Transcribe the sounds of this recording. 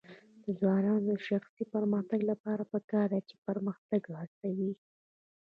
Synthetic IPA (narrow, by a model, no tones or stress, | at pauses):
d̪̥əzwɑnɑnod̪əʃaxsipəɾməxt̪aɡlapɑɾapəkɑɾd̪at͡ʃe̥pəɾməxt̪aɡɾɑst̪awi